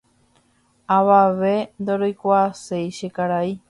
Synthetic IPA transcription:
aβaʋe̞nd̪oɾojkʷaːsejʃekaɾai

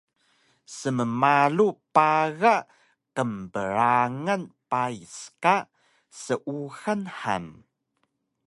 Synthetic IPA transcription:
səməmalupaɣa | kəmbəɾaŋənpaiska | səʔuxənħa̰m

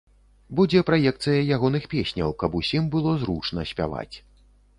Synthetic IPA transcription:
bud͡zʲɛpɾajɛk̚t̪sɨjɐjaɣɔnɨxpʲesʲnʲɐ̰wkɐbusʲimbɨlˠɔzɾut͡ʂnɐsʲpʲa̰va̰t͡sʲ

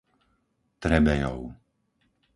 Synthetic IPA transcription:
t̪ɾɛbɛjɔ̰ʊ

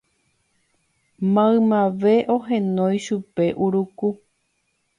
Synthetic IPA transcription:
mãɨ̃mãʋe̞ʔoɦẽnõ̞jʃupe̞ʔuɾuku

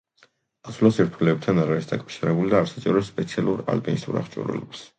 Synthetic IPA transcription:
asulasiɾt̪ʰulɛːb̚t̪ʰanaɾaɾisd̪akʼafʃiɾɛbulid̪aːɾsat͡ʃʼɛɾɛspʼɛt̪sʰialˠuɾa̰lbʼinist̪ʼṵɾa̰χt͡ʃʼṵɾɛ̰lɛps

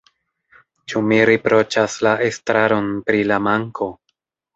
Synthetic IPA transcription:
t͡ʃumiɾipɾo̞t͡ʃaslaʔestɾaɾo̞npɾilamaŋkʰo̞

